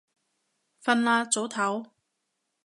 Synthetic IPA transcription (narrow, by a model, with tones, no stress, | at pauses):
fɐ˧nlaː˧t͡so˨˥wt̪ʰɐ˨˥w